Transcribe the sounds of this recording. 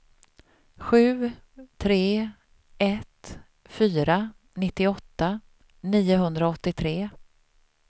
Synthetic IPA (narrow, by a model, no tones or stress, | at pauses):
ɧʉ̟ː | t̪ʰɾeː | ʔɛt̪ | fyːɾa | nɪt̪ːɪɔt̪ːa | niːʊɦɵnd̪ɾaɔt̪ːɪt̪ʰɾeː